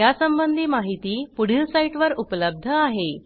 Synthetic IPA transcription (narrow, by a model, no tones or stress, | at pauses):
jasəmbənd̪ʱiːmaɦit̪iːpuɽ̤ilsaiʈʋəɾupləb̚d̪ʱəaɦe